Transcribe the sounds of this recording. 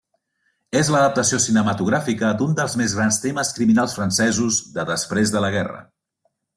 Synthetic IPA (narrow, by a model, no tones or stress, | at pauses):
ezləðəp̚t̪əsiosinəmət̪uɣɾafikəd̪und̪əlˠzmezɣɾanst̪eməskɾiminalˠsfɾənsɛzuzðəðəspɾezðələɣ̞ɛrə̰